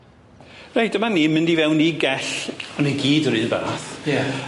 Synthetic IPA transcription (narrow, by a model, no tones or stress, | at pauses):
rejdəmaniːmɪndivɛwniɡɛɬɔneɡiːdɾɨːnva̰ɾaθja